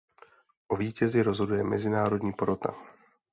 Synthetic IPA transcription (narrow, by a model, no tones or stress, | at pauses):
ʔo̞viːcɛzɪɾo̞zɦo̞dujɛmɛ̰zɪnaːɾo̞dɲiːpoɾot̪a̰